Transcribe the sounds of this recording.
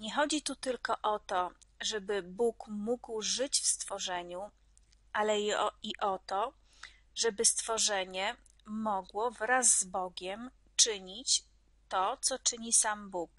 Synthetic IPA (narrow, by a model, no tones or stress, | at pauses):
ɲɛxɔd͡ʑit̪ut̪ɘlkɔʔɔt̪ɔʐɛbɘbukmuɡwʐɘt͡ɕfst̪fɔʐɛɲu | ʔalɛiʔɔt̪ɔ | ʐɛbɘst̪fɔʐɛɲɛ | mɔɡwɔvɾazːbɔɡʲɛm | t͡ʂɘɲit͡ɕ | t̪ɔt̪sɔt͡ʂɘɲisambuk